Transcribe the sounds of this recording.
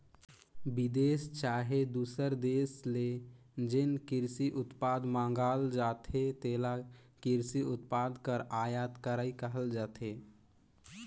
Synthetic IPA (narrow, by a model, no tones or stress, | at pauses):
bid̪eːst͡ʃaːɦed̪uːsəɾd̪esle | d͡ʒenkɪɾsiʔʊt̪paːd̪mãːŋ̆ɡaːld͡ʒat̪ʰet̪eːla | kiɾsiʊt̪paːd̪kəɾaːjat̪kəɾaikəɦəld͡ʒaːt̪ʰe